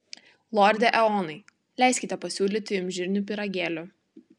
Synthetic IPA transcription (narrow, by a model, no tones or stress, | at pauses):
lˠɔɾʲd̪ʲɛʔɛɔːnɐɪ | lʲæˑɪsʲkʲɪt̪ʲɛpɐsʲuːlʲit̪ʲɪʊmʲʒʲɪɾʲnʲupʲɪɾɐɡʲeːlʲʊ